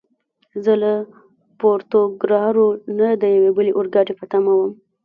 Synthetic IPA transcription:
zəla | poɾt̪oɡɾɑɾonad̪əjawebəleʔoɾɡɑɖepət̪amawəm

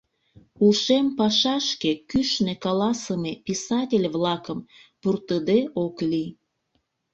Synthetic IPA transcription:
ulʃempɑʃɑʃkekyʃnekɑlɑsəmepisɑtʲelʲβlɑkəmpurt̪əd̪eʔokli

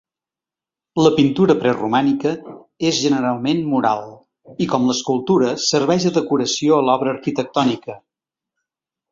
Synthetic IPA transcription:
ləpint̪uɾəpɾɛrumanikə | ezʒənəɾalˠmenmuɾa̰lˠ | ikɔmləskulˠt̪uɾəsəɾβɛʒðəðəkuɾəsioəlɔβɾəːɾkit̪ək̚t̪ɔnikə

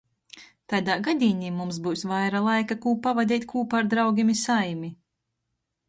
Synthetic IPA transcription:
t̪ad̪aːɡad̪ʲiːniːmums̬buːsvajɾalˠajkakuːpavad̪ʲɛːt̪ʲkʰuːpaɾd̪ɾawɡʲimisajmi

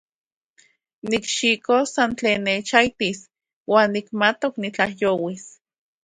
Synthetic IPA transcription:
nikʃikosant͡ɬeːnːet͡ʃajt̪is | waːnːikmat̪oknit͡ɬahjoːwis

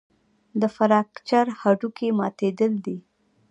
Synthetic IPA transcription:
d̪əfaɾɑkt͡ʃaɾhaɖukemɑt̪ed̪əld̪i

